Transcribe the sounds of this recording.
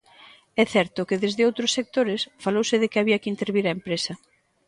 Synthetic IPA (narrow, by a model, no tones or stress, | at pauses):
ɛθɛɾt̪ʊkɪðezðɪowt̪ɾʊsːek̚t̪oɾɪsfalowsɪðɪkɪaβiɐkɪint̪eɾβiɾɐempɾesɐ